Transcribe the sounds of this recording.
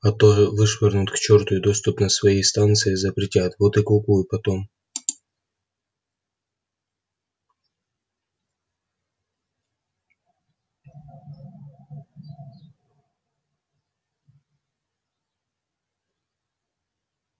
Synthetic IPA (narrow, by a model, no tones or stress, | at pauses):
ɐt̪ɔɦɛʋɨʂʋɛrnʊt̪ʲkt͡ʃɔrt̪ʊjʊd̪ɔst̪ʊpnɐsʋɐjist̪ɑnt̪sɨjizɐpɾʲɪtʲat̪ʋɔt̪ɪkˠʊpujʊpɐt̪ɔm